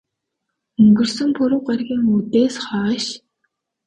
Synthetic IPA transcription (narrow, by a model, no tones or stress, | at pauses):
ɵŋɡɵ̆rsɵ̆ŋpɵɾʊ̆wɢarɣʲiːŋut̪eːsχɔːʃ